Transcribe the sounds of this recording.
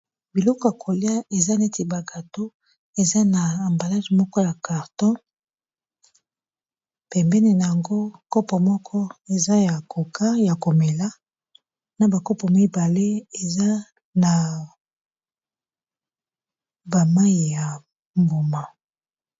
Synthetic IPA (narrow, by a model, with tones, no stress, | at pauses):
bi˨lɔ˦kɔ˨ja˨kʰo˨li˦a˦ʔe˨za˦n˦e˦te˨ba˨ɡa˨to˦ | e˨za˦naː˨mba˨la˦dmɔ˦kɔ˦ja˨ka˨ʁtɔ̃˦ | pɛ˨mbɛ˦ne˨na˨ja˨ŋɡo˦kɔ˦pɔ˨mɔ˦kʰɔ˦e˨za˦ja˨ko˨kʰa˦ja˨ko˨mɛ˨la˦ | na˨ba˨kɔ˦pɔ˨m˦i˦ba˨le˦e˨za˦ | na˨ | ba˨ma˦i˨ja˨ | mbo˨ma˨